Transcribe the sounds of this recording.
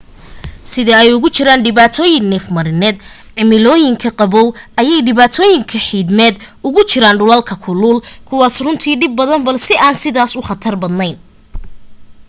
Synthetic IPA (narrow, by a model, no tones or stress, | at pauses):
sɪðɐɛjʊɣʊt͡ʃɪɾaːnɖɪβaːt̪ʰɔːjɪŋnɛfmɐɾɪnɛːd̪ | ʕɪmɪlɔːjɪŋkʰɐqɑβɔwʔɐjɛjɖɪβaːt̪ʰɔːjɪŋkʰɐħiːd̪mɛːd̪ʊɣʊt͡ʃɪɾaːnɖʊlɐlkʰɐkʰʊluːlkʰʊwɑːsrʊnt̪ʰiːɖɪb̚ːɐðɐnbɐlsɛʔaːnsɪðaːsʊχɐt̪ʰɐrbɐd̪nɛjn